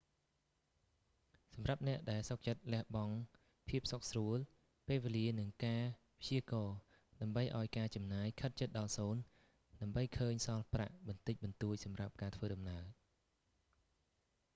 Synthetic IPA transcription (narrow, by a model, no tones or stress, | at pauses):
sɑmrap̚nɛ̆əʔɗaɛlsok̚t͡ɕət̪̚lɛ̆əhɓɑŋ | pʰiəp̚sok̚sruəl | peːlʋeliənɨŋkaː | pʰt͡ɕiəkɑː | ɗaəmɓəjʔaɔjkaːt͡ɕɑmnaːjkʰət̪̚t͡ɕət̪̚ɗɑlsoːn | ɗaəmɓəjkʰəːɲsɑlpra̰ʔɓɑnt̪ɨc̚ɓɑnt̪uəc̚sɑmrap̚kaːt̪ʰʋəːɗɑmnaəl